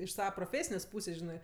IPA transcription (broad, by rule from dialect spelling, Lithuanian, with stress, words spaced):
ɪʃ ˈsɑːʋɐ proːˈfʲeːsʲɪnʲeːsʲ ˈpuːsʲeːsʲ ˈʒʲɪnɜ